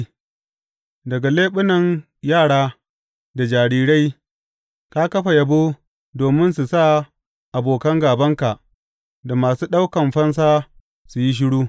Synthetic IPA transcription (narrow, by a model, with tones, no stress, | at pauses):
dɐ˨ɡa˨leː˦ɓʊ˦nɐ˨n | jaː˦˨ɽaː˦ | da˨d͡ʒaː˨ɽiː˦ɽa˦j | ka˦kɐ˦ɸa˨jɐ˨boː˦ | doː˨mɪ˦nsu˨sa˦ | ʔa˨boː˨kɐ˦ŋɡaː˨bɐ˦ŋka˨ʔ | da˨maː˨suː˦ɗa˦wkɐ˨mɸɐ˦ns̬aː˦ | su˨ji˦ʃ̬ɪ˦ɽuː˦